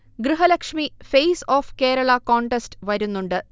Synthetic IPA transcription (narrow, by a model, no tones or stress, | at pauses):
ɡɾɨɦɐlɐkʂmifejsoːfke̞ːɾɐɭɐkoːɳʈestɨʋɐɾunːuɳɖɨ